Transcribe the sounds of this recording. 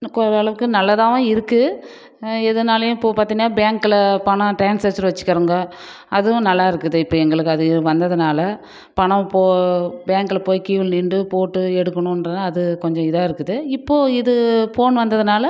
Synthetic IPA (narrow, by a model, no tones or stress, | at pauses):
kɔɾɐɐɭɐʋɯkːɯnɐlːɐðãːʋõːɪɾɯkːɯ | ɛðɐnaːlɐjʊ̃pːopaːɾt̪ĩːŋɡɐnaːbjaːŋkɪlɐpɐɳɐ̃ʈeːnsɐsɐɾʋɐt͡ʃːɯ̥kːɐɾɯŋɡɐ | ɐðɯʊ̃nɐlːaːɪɾɯkːɯðɯɪpːoːɛŋɡɐɭɯkːɯɐðɯʋɐnd̪ɐðɯnaːlɐ | pɐɳɐ̃poːbjaːŋkɯlɐpoːjkiːʋɪlnɪɳɖɯpoːʈːɯɛɽɯkːɐɳʊ̃ɐnɾɯnːaːɐðɯkɔɲd͡ʒɔ̃ɪðaːɪɾɯkːɯðɯɪpːoːɪðɯfoːnʋɐnd̪ɐðɯnaːlɐ